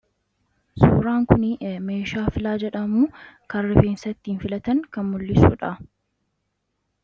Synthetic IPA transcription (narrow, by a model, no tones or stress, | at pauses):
sṵːɾaːŋkʊnɪme̞ːʃaːfɪlaːd͡ʒɛᶑɐmuːkɐrːɪfeːnsɐt̪ːiːnfɪlɐt̪ɐŋkɐnmʊlːɪsṵːᶑɐ